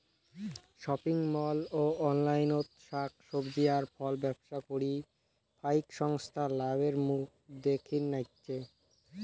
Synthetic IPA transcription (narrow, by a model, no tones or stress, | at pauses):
ʃɔpiŋmɔloɔnlajnot̪ʃak̚ʰʃobd̪ijaɾfɔlbɛbʃakoɽi | pʰajkʃɔŋst̪ʰalabeɾmuk̚ʰd̪ekʰinːajtːʃʰe